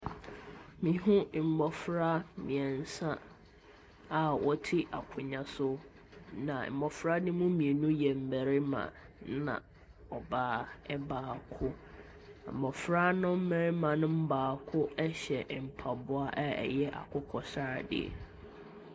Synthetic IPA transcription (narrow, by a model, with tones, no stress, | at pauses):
mĩ˨ɦʊ̃˦˨m̩˨mɔ˨fɾa˦mḭ̃˨ɛ˨n̩˨˦sã˦ | a˨wʔɔ˦tʰɪ˦ʔa˨kʰʊ˨ɲã˨sʊ˦ | nã̰˨m̩˨bɔ˨fɾa˦nɪ̃˦mũ˦mĩ˨e˨nũ˦jɛ˨m̩˨mæ˨ɾɪ˦mã̰˨nã̰˨ | ɔ˨baː˨˦ɛ˦baː˨kʰʊ˦ | m̩˨mɔ˨fɾa˦nʊ̃˦m̩˦mɛ˨ɾɪ˦mã˨nʊ̃˦m̩˦baː˨kʰʊ˦ɛ˦ɕɛ˨ʔm̩˨pʰa˨bʊ˨a˦ʔɛ˦ɛ̰˨jɛ˦ʔa̰˨kʰʊ˦kʰɔ˨sa˦˨dɪ̰˦˨